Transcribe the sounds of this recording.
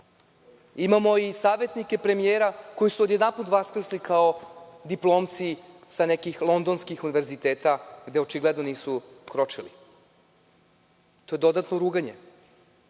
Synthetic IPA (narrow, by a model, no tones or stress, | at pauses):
imamo̞isaːʋe̞t̪nikepɾe̞mijeːɾako̞jisuod̪jed̪anput̪ʋaskɾeslikao̞d̪iplˠo̞ːmt̪si | sane̞kixlˠo̞nd̪o̞nskixuniʋeɾzit̪eːt̪aɡd̪e̞ot͡ʃiɡled̪no̞niːsukɾo̞t͡ʃilḭ | t̪o̞je̞d̪o̞d̪at̪noɾuːɡaɲe